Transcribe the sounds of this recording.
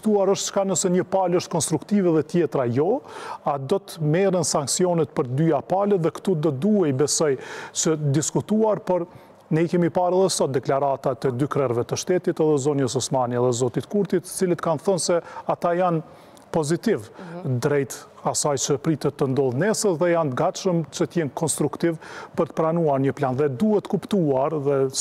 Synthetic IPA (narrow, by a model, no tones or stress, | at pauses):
t̪uaɾəʃt̪t͡ʃə̥kanəsɛɲəpaləʃt̪̚kɔnst̪ɾukt̪ivɛðɛt̪jɛt̪ɾajɔad̪ɔt̪əmɛɾənsaŋksijɔnɛt̪̚pəɾd̪yapalɛðɛkt̪ud̪ɔt̪̚d̪uɛibɛsɔjt͡ʃəd̪iskut̪uaɾpɔɾ | nɛikɛmipaɾɛðɛsɔt̪̚d̪ɛklaɾat̪at̪ɛd̪ykɾɛɾvɛt̪əʃt̪ɛt̪it̪ɛðɛzɔnjəsɔsmaniɛðɛzɔt̪it̪kuɾt̪it̪ːə̥t͡silət̪kanθɔnsɛat̪ajan | pɔzit̪ivd̪ɾɛjt̪asajt͡ʃəpɾit̪ɛt̪ːənd̪ɔðnɛsəðɛjant̪əɡat̪ʃəmt͡ʃət̪əjɛnkɔnst̪ɾukt̪ivpəɾt̪ə̥pɾanuaɾɲəplanðɛd̪uɦɛt̪ːə̥kupt̪uaɾðɛ